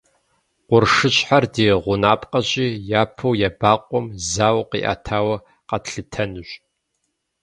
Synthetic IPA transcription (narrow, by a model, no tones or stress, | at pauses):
qʷʊrʂɨɕʼħardeːʁʷʊnaːpʼqʼɐɕʼiːjaːpʰɐwjabaːqʷʼɔmzaːwqḭːʔa̰ːtʰaːwɐ | qɐtɬɨtʰɐnɨɕʼ